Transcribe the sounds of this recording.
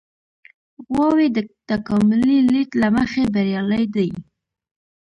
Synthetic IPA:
ɣwɑwed̪ət̪akɑmʊlilitlaməxebaɾjɑləjd̪aj

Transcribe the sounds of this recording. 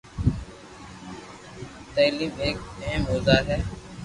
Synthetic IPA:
t̪eːliːmeːk̚əɦəmɦoːzaːɦɛː

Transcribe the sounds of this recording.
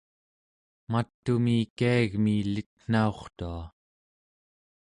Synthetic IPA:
mat̪ːumikiaaɣmilit̪̚n̥ao̞χt̪ua

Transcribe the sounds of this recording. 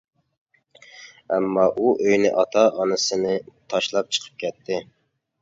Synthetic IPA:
ɛmːɑʔuʔøjnɪ̰ʔɑt̪ʰɑʔɑnɨsɨnɨt̪ʰɑʃlˠɑp̚t͡ʃʰə̥qʰə̥p̚kʲʰɛt̪ʰːɪ

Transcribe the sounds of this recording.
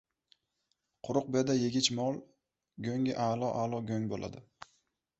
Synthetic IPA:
qʰʊɾʊq̚bed̪ajeɡʲɪt͡ʃmɒlˠ | ɡʲøŋʲɪʔalˠɒʔalˠɒɡʲøŋbolˠʔa̰d̪ɪ

